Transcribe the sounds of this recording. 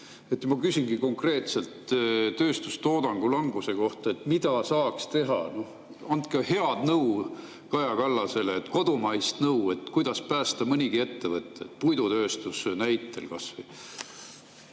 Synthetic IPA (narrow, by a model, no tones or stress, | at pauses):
e̞t̪ːmɑkysʲinɡ̥iko̞ŋkre̞ːt̪se̞lt̪t̪øːst̪ust̪o̞ːd̪̥ɑŋɡ̥ulɑŋɡ̥use̞ko̞ht̪ɑe̞t̪ːˑmid̪ɑsɑːkst̪e̞ɦɑno̞h | ɑnd̪kɑhe̞ɑd̪̥nɤw | kɑjɑkɑlːɑse̞leːt̪ːˑko̞d̪umɑjst̪nɤwe̞t̪kujd̪̥ɑspæːst̪ɑmɨnʲiɡ̥ie̞t̪ːe̞vɤt̪ːˑeet̪pujd̪ut̪ø̞ːst̪usnæjt̪ːˑe̞̰lkɑsvəj